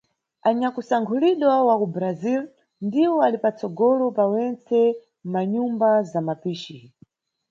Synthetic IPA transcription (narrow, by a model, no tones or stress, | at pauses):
aɲakusaŋkʰuliɗwawakubɾazil | ndiwɔalipat͡sɔɡɔlɔpawɛnt͡sɛ | maɲumbazamapiʃi